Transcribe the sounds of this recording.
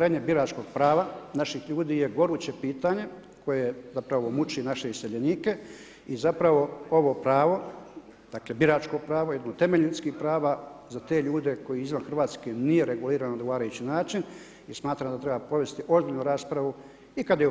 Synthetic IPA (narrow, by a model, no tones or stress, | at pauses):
ɾeːɲebiɾaːt͡ʃko̞ɡ̥̚pɾaːʋanaʃixʎuːd̪iːje̞ɡo̞ɾuːt͡ɕe̞piːt̪aːɲe̞ | ko̞je̞zapɾaʋomut͡ʃinaʃe̞iseʎeniːke̞ | izapɾaʋo̞o̞ʋo̞pɾaːʋo̞ | d̪̥akle̞biɾaːt͡ʃko̞pɾaːʋo̞jed̪not̪e̞me̞ʎut̪skixpɾaːʋazat̪e̞ːʎuːd̪e̞ko̞jiizʋanxrʋaːt̪skenije̞ɾe̞ɡuliːɾanod̪ɡoaːɾajut͡ɕinaːt͡ʃin | ismaːt̪ɾamd̪at̪ɾe̞bapɾo̞ʋe̞st̪iʔozbilnuɾaːspɾaʋu | ikad̪aje